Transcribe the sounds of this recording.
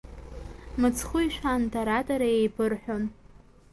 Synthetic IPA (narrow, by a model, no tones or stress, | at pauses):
mɨt͡sʰχʊjʃʷᶣantʰʼaɾatʼaɾajejpʰɨrħʷᶣon